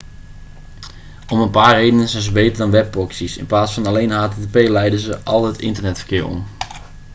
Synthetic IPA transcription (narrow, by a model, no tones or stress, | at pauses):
ɔmənpaːrejdənənzɛjnzəbejtərdɔnʋɛp̚ːɔksisɪ̰nplaːsfɑnalejnhaːtetepeːlɛjdəzəʔɑlˠɦətɪ̰ntərnɛtfə̥rkɪːɹɔ̰m